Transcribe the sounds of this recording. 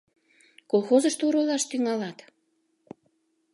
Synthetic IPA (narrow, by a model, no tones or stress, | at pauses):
kolˠxozəʃt̪oɾolɑʃt̪yŋɑlɑt̪